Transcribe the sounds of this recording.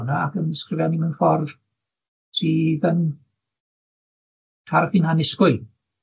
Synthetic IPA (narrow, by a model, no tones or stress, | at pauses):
naakənɪskrɪvjanimənfɔrv̥ | tʰiːðən | tʰarχinhanɪskʊj